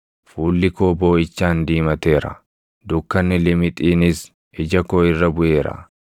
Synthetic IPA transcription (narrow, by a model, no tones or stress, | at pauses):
fuːlːɪko̞ːbo̞ːɪt͡ʃːaːnd̪iːmɐt̪e̞ːɾɐ̰ | d̪ʊkːɐnːɪlɪmɪt̪ʼiːnɪs | ɪd͡ʒɐkoːɪrːɐbʊʔe̞ːɾɐ̰